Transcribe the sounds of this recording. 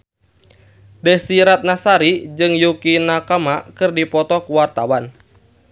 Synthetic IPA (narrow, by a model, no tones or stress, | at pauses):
dɛsiɾat̪̚nasaɾid͡ʒɨŋjukinakamakɨrdipɔt̪ɔkuwart̪awan